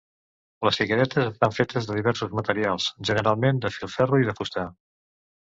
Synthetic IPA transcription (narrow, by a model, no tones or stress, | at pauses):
ləsfikəɾɛt̪əzəst̪aɱfet̪əzðəðiβɛɾsuzmət̪əɾialˠsʒənəɾalˠmend̪əfilˠfɛruiðəfust̪a